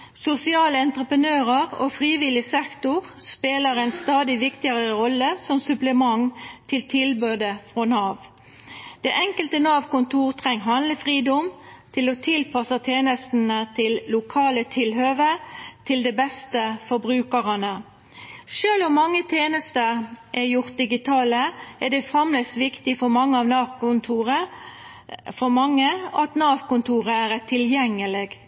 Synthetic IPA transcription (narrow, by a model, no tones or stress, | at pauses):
sʊsɪɑːləɛnt̪ʁəpənøːʁəʁo̰ːfʁiːʋɪlɪsɛkt̪ʊʁspeːləʁɛnst̪ɑːd̪ɪʋɪkt̪ɪɑʁəʁɔlːəsɔmsʉpləmɑŋt̪ʰɪlt̪ʰɪlbøːd̪əfʁoːnɑːʋ | d̪̥ɛʔɛŋkəlt̪ənɑːʋkʊnt̪uːʁt̪ʰʁɛŋːɦɑnləfʁiːd̪ʊmt̪ʰɪloːt̪ʰɪlpʰɑsət̪ʰeːnəst̪n̩ət̪ʰɪllʊkʰɑːlət̪ʰɪlɦøːʋət̪ʰɪld̪ɛbɛst̪əfɔɾbʁʉːkəʁɑnə | ʃøːlɔmːɑŋːət̪ʰeːnəst̪əɾʔɛjʊʁt̪̚d̪ɪɡɪt̪ʰɑːləʔæɖ̪ɛfɑmləsʋɪkt̪ɪfɔɾmɑŋːəɑʋnɑːʋkʰʊnt̪ʰuːɾə | fɔɾmɑŋːəʔɑt̪nɑːʋkʊnt̪ʰuːʁəæːɾɛt̪ʰːɪljɛŋːəlɪɡ